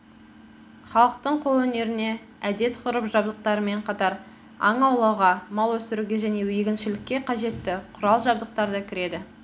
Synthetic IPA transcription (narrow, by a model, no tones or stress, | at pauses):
χɑlˠəq̚t̪əɴqʰo̞lˠwɵne̞ɾɪne̞ | æd̪e̞t̪qʰʊɾəpʒɑb̚d̪əq̚t̪ɑɾəme̞ɴqʰɑt̪ɑɾ | ɑ̰ɴɑwlˠɑwʁɑmɑlˠwɵsɪɾuɡʲe̞ʒæne̞wjeɡʲɪnʃɪlɪkʲːe̞qʰɑʒe̞t̪ːɪqʰʊɾɑlˠʒɑb̚d̪əq̚t̪ɑɾd̪əkʲʰɪɾe̞d̪ɪ